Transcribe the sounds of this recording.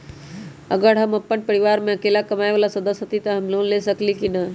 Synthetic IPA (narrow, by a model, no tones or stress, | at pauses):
əɡəɾɦəməpːəɳpəɾiʋaːɾmẽɐkeːlakəmaːeʋalasəd̪əsɦət̪it̪ɐɦɐmlonlesəklikina